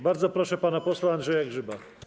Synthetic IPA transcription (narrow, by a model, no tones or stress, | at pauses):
baɾd̪zɔpɾɔʂɛpanapɔswanʐɛjaɡʐɘba